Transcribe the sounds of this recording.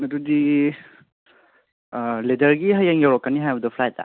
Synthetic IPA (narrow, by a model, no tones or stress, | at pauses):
nɐdudi | ledɐɾɡiɦɐjaŋjawɾɔkːaniɦajbɐdɐpʰlajtːa̰